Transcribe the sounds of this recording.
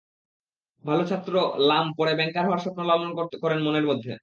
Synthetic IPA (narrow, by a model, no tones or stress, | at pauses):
bʱalot͡ɕʰat̪ːɾolampoɾebɛŋkaɾɦɔaɾʃɔpnolɔmonkot̪kɔɾenmoneɾmod̪ʱːḛ